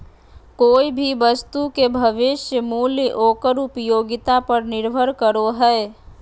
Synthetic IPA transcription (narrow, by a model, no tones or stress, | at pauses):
koːibʱiʋəst̪ukebʱəʋɪʃjəmuːljəʔoːkəɾʊpjoːɡɪt̪apəɾnɪɾbʱəɾkəɾoɦɛe